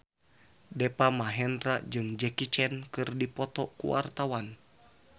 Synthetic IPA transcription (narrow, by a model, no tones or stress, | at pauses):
dɛpamaɦɛndɾad͡ʒɨŋd͡ʒɛkit͡ʃɛnkɨrdipɔt̪ɔkṵwa̰rt̪awan